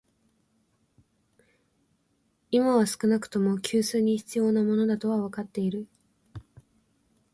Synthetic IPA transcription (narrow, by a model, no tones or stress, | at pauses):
imaβasɨ̥kɯ̟nakɯ̟̥t̪o̞mo̞kʲʰɨːsɨːɲ̟içi̥t͡sɨjo̞ːnamo̞no̞d̪at̪o̞β̞aβakat̪ːe̞iɾɯ̟